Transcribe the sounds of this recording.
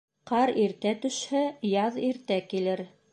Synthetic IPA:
qɑɾiɾt̪æt̪ɵ̆ʃhæjɑðiɾt̪ækilɘɾ

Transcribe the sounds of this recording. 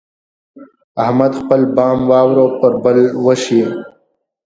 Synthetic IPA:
ahmad̪xpəlbɑːmwɑːwɾopəɾbəlwəʃi

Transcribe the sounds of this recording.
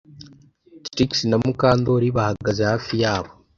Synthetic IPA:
tɾiksinamukaːndo̞ɾiβahaɡazehaːfijaːβo

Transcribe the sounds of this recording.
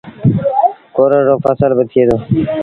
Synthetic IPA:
koːɾoːʐoːfasəlbət̪ʰieːd̪oː

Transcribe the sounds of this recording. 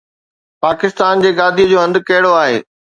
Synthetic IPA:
paːkɪst̪aːnd͡ʑeːɡaːd̪ʱijəd͡ʑoːɦɐ̃nd̪kɐɦɪɽoaːɦḛː

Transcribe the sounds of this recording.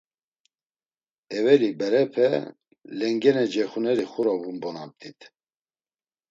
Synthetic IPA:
ɛvɛlibɛɾɛpʰɛ̰ | lɛŋɡɛnɛd͡ʒɛxunɛɾixuɾɔbunbɔnab̚t̪it̪ʰ

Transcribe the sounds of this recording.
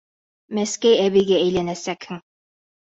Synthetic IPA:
mæskæjæβiɡææjlænæsækhɘŋ

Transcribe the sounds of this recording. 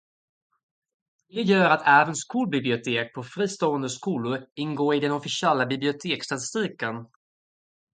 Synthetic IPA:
d̪ɛjœːɾat̪ʰæːvənskʰuːlbɪblɪʊt̪ʰeːk̚pʰɔfɾiːst̪oːənd̪əskuːlʊɾɪnɡoːɾɪd̪ɛnɔfɪsɪɛlːabɪblɪʊt̪ʰeːkst̪at̪ɪ̥st̪iːkən

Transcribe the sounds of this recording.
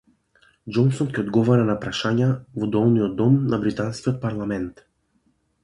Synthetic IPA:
d͡ʒɔnsɔnkʲɛɔd̪ɡɔvaɾanapɾaʃaɲavɔd̪ɔlˠnijɔd̪ɔmnabɾit̪anskʲiɔt̪̚paɾlˠamɛnt̪

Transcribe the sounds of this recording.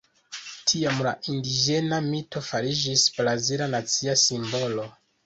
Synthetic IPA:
tʰiamla̰ʔindid͡ʒe̞namito̞faɾid͡ʒisbɾazilanat͡siasimbo̞lo̞

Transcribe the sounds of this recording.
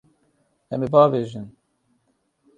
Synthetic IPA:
ɛ̰mebaːveːʒin

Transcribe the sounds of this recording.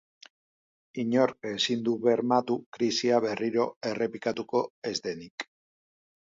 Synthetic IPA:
iɲo̞ɾe̞sind̪uβe̞ɾmat̪ukɾisiaβe̞riɾo̞e̞re̞pikat̪uko̞e̞zd̪e̞nik

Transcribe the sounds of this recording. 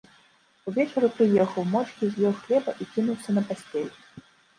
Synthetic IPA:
uvʲɛt͡ʂɐɾupɾɨjɛxɐwmɔt͡ʂkʲizʲjʲɔwxlʲɛbɐʔikʲinuwsʲɐnɐpasʲt͡sʲɛlʲɛ

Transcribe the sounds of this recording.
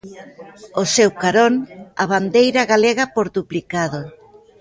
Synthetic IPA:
osewkaɾoŋaβand̪ejɾɐɣaleɣɐpoɾðuplikaðo

